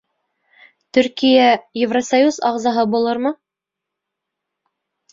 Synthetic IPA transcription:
t̪ɵɾkijæjevrosɐjuzɑʁzɑɦɤbulˠɤɾmɤ

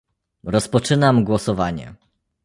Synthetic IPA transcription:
ɾɔspɔt͡ʂɘnamɡwɔsɔvaɲɛ̰

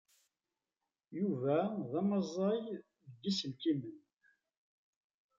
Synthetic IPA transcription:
juvæðæmɑzˤːɑj | ðəɡːisəlkimən

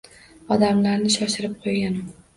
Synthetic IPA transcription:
ɒd̪amlaɾnɪʃɒʃɪɾɪp̚qʰojɡʲan

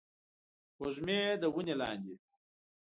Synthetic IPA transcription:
woʒmed̪əwunelɑ̰ːnd̪i

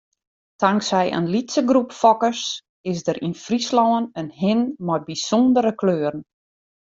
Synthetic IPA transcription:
tʰaŋksɛjʔə̰nlitsəɡrupfɔkəs | ɪsdəɾʔinfrislɔwənənhɪnmɔbisondəɾəkløːrn̩

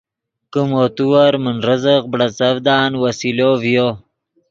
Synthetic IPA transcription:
kəmoːt̪uwaɾmənɾəzəqbɽat͡sɐvd̪aːnwasilovjo

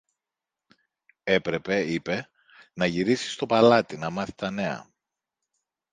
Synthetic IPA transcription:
e̞pɾe̞pe̞ipe̞ | nɐʝiɾisi̥st̪o̞pɐlɐt̪inɐmɐθi̥t̪ɐne̞ɐ̰

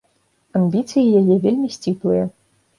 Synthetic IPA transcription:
amʲbʲit̪sɨjijajɛvʲelʲmʲisʲt͡sʲiplˠɨjɐ

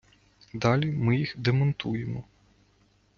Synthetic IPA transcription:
d̪ɑlʲimɪjixd̪emɔnt̪ujemɔ

